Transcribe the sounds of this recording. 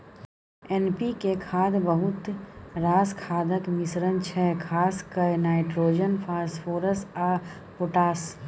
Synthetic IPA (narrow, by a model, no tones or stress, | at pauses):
ɛnpikekʰaːd̪bəɦʊt̪ɾaːskʰaːd̪əkmɪsɾənt͡ʃʰɛkʰaːskənaːɪʈɾoːd͡ʒənpʰaːsfoːɾəsaː | pʊʈaːs